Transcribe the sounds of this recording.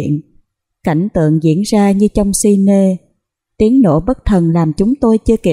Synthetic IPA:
ən | ka˧˩jŋ̟t̪ɨ̰˧˨əŋzḭ˧˥ənzaː˧ɲɨ˧t͡ɕɔ˧wŋ͡msi˧ne˧ | t̪i˨˦əŋno̰˧˩ɓə˦˥t̚t̪ʰə˨˩nlaː˨˩mt͡ɕʊ˨˦ŋ͡mt̪o˧jt͡ɕɨ˧əke˧˩

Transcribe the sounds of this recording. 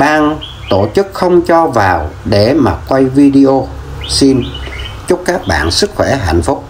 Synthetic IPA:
ɓaː˧ŋ | t̪o˧˩t͡ɕɨ˦˥k̚xə˧wŋ͡mt͡ɕɔ˧vaː˨˩wɗe˧˩maː˨˩kwa˧jvi˧ɗi˧ʔo˧ | si˧n | t͡ɕʊ˦˥k͡p̚kaː˦˥k̚ɓa̰ː˧˨nsɨ˦˥k̚xwɛ˧˩ɦa̰˧˨jŋ̟fʊ˦˥k͡p̚

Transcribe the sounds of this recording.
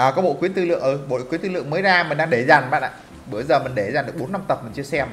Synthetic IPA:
ʔəː˨˩kɔː˨˦ɓo̰˧˨kwi˨˦ənt̪ɨ˧lɨ̰˧˨əŋʔɨ˧˩ɓo̰˧˨kwi˨˦nt̪ɨ˧lɨ̰˧˨əŋməː˨˦jzaː˧mï̟˨˩ɗaː˧ŋɗe˧˩za˨˩ŋɓa̰˧˨nʔa̰ː˨˧˨ | ɓɨ˧˩əjzəː˨˩mï˨˩ŋ̟ɗe˧˩zaː˨˩nɗəkɓna˧mt̪ə˨˩p̚mï˨˩ŋt͡ɕɨ˧əsɛ˧m

